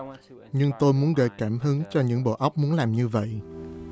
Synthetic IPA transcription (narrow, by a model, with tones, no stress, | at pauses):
ɲɨ˧ŋt̪o˧jmu˨˦ənɣə̰˧˩jkaː˧˩mɦɨ˨˦ŋt͡ɕɔ˧ɲɨ̰˧˥ŋɓo̰˧˨ʔə˦˥wk͡p̚mu˨˦ənlaː˨˩mɲɨ˧və̰˧˨j